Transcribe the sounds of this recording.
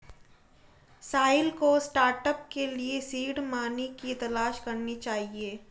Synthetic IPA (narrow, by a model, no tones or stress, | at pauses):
saːɪlkosʈaːɾʈəp̚keliesiːɽmaːnikit̪ɐlaːʃkɐɾnit͡ʃaːɦieː